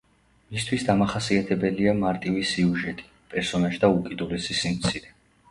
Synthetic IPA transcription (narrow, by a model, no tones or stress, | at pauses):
mist̪ʰwisd̪amaχasiat̪ʰɛbɛliamaɾt̪ʼivisiuʒɛt̪ʼi̥ | pʼɛɾsɔnaʒd̪aukʼid̪ulɛsisimt̪sʰiɾɛ